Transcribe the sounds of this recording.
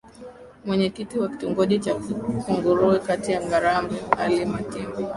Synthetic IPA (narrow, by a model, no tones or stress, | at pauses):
mwɛɲɛkitiwaki̥tuŋɡɔʄit͡ʃakuŋɡuɾuɛkatijaŋɡaɾambualimakimbɔ